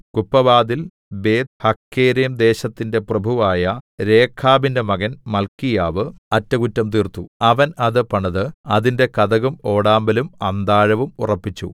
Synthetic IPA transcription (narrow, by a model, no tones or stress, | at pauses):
kupːɐʋaːd̪il | be̞ːd̪hɐkːeːɾijɐmd̪e̞ːɕɐt̪ːinde̞prɐbʱuʋaːjɐɾe̞ːkʰːaːbindemɐɣɐnmɐlkijaːʋɨɐtːɐɣutːɐmt̪iːrt̪uɐʋɐnɐðɨpɐɳɐðɨɐðinde̞kɐðɐɣumo̞ːɽaːmbɐlumɐnd̪aːɻɐʋumurɐpːit͡ɕːṵ